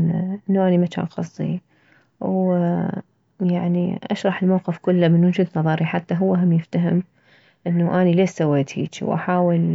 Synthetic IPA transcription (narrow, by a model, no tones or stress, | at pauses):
ʔɪnːuʔaːnimaka̰ːnxɑ̰sˤːḭ | w | jaʕniʔa̰ʃɾˤɑħɪlmawqɪfkʊlːamɪnwʊd͡ʒud̪nɑðˤɑɾˤiħat̪ːaɦʊwːaɦamjɪft̪aɦɪm | ʔɪnːaʔaːnileːʃsawːeːt̪ḭːt͡ʃḭwʔa̰ħaːwɪl